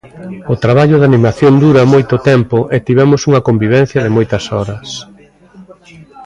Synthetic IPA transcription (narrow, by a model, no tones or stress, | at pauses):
ʊt̪ɾaβ̞aʎʊðanĩmaθjond̪uɾɐmojt̪ot̪ɛmpoʔet̪iβɛmʊsuŋɐkombiβ̞ɛn̟θjɐðɪmojt̪ɐsɔɾɐs